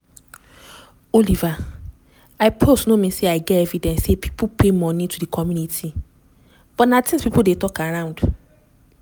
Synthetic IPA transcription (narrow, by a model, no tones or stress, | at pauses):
oliva | aɪpʰostnomĩseaɪɡɛɛvidɛ̃nssepʰi̥pʰupʰemɔ̃nĩtʰudikʰɔmjũnitʰi | b̥ɔtnãtʰɛ̃nspipldetɔkʰaɹãʊ̃nd̥